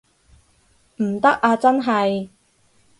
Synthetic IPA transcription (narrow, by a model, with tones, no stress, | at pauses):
m̩˨˩t̪ɐ˥k̚ʔaː˧t͡sɐ˥nɦɐ˨j